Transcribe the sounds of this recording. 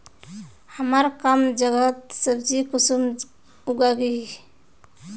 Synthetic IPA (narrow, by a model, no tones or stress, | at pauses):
həmaɾkəmd͡ʒəɡət̪̚səbd͡ʒikusum | uɡaɡi